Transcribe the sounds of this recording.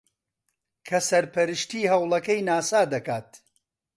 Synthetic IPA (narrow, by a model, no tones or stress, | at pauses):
kʰɐsɐɾpʰɐɾɨʃt̪iːɦɐwlˠɐkɐjnaːsaːd̪ɐkaːt̪̚